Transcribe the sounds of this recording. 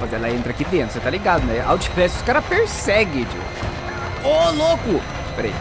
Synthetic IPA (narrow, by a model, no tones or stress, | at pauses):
azelaẽnt̪ɾɐakid̪ẽnt̪ɾʊset̪aliɡad̪ʊnɛa̰wt͡ʃi̥kɾɛsʊsʊ̥kaɾɐpeɾsɛɡɪd͡ʒḭ | olokʊ | pɾḛ